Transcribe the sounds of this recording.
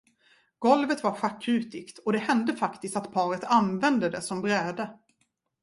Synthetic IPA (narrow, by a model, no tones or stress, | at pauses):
ɡ̥ɔlvət̪vaɾɧakːʉ̟ːt̪ɪkt̪ɔd̪ɛhɛnd̪əfakt̪ɪst̪at̪pʰɑːɾət̪ʰanvɛnd̪əd̪ɛsɔmbɾɛːd̪ə